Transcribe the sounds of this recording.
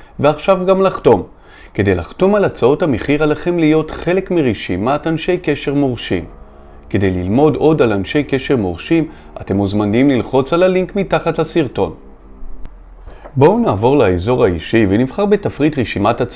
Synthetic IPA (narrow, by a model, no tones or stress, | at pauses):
veaχʃavɡamlaχto̞m | ke̞de̞jlaχto̞malat͡sao̞thameχiʁalaχe̞mlijo̞t̪χe̞le̞kmiʁeʃimatanʃe̞jke̞ʃe̞ʁmoʁʃḭm | ke̞d̪e̞jlilmo̞do̞dalanʃe̞jke̞ʃe̞ʁmoʁʃim | a̰te̞muzmanimlilχo̞t͡salaliŋkmitaχatlasiʁto̞̰n | bo̞wnaːvo̞ʁlaezo̞ʁaiʃivenivχaʁbe̞tafʁitʁeʃimatat͡s